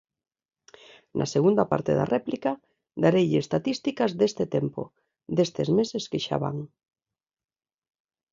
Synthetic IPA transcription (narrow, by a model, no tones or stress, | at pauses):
nʔa̰seɣund̪ɐpa̰ɾt̪ḛða̰rɛplika | d̪aɾejʎeest̪at̪ist̪ikɐzd̪est̪et̪empo̰ | d̪est̪ezmeseskeʃa̰βa̰ŋ